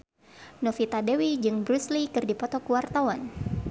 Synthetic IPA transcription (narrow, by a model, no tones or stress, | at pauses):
nɔfit̪adɛwid͡ʒɨŋbɾuslikɨrdipɔt̪ɔkuwart̪awan